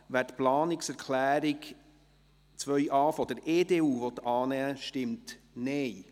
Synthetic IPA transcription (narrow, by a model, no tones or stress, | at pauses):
ʋæːtplɑːnɪksɛɾkʰlæːɾik | t͡sʋœʏʔɑːfɔd̥̪əɾeːdeːuːvɔt̪ɑːnɛəʃtɪmt | nɛj